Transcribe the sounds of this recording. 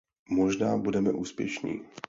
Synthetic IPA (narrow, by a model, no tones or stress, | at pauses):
moʒnaːbudɛmɛʔuːspjɛ̰ʃnḭː